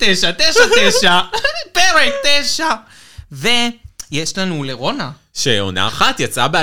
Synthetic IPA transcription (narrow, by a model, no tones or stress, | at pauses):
t̪ejʃat̪eʃat̪ejʃapeɾet̪ejʃa | vejeʃlanuleʁo̞na | ʃeo̰na̰ːχat̪jat͡sabea